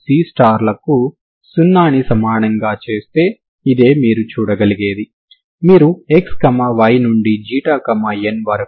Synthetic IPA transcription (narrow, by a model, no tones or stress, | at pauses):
siːsʈaːɾlɐku | sunːaːnisɐmaːɳɐŋɡaːt͡ʃe̞ːst̪e̞ː | id̪e̞ːmiːɾut͡ʃuːɽɐɡɐliɡe̞ːd̪i | miːɾuekskɐmaːʋɐjnuɳɖid͡ʒiːʈaːkɐmaːenʋɐɾɐk